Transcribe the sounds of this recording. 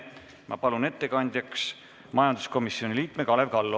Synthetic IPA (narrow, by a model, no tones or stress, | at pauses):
mʔɑ̰pɑlune̞t̪ːe̞kɑnʲd̪̥ʲjɑks | mɑjɑnd̪u̥sko̞misio̞nʲiliːt̪mekɑlevkɑlːo